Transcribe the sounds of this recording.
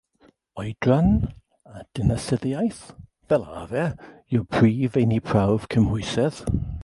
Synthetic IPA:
ɔjdran | ad̥ɪnasɪðiajθ | v̥ɛlˠa̰vɛjɔpʰriːvejnipʰr̥awv̥kʰəmhʊjsɛð̥

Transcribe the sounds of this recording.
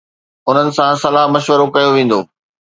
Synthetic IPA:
ʊn̤ənɪ̆sãsɐlaːɦmɐʃʋəɾokɐjoʋẽːn̆d̪o̰ː

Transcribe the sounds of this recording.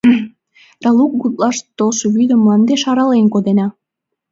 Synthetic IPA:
d̪̥ɑluk̚ɡut̪lɑʃt̪olʃəβyd̪ə̆mlˠɑnd̪eʃɑɾɑlenkod̪enɑ

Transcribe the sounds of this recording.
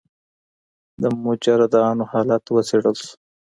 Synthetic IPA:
d̪əmʊd͡ʒaɾad̪ɑːnohɑːlat̪wəseɽəlsu̥

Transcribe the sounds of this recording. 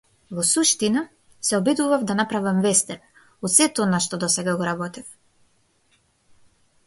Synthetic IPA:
vɔsuʃt̪ina | sɛɔbid̪uvavd̪anapɾavɛmvɛst̪ɛn | ɔt̪sɛt̪ɔnaʃt̪ɔd̪ɔsɛɡaɡɔɾabɔt̪ɛf

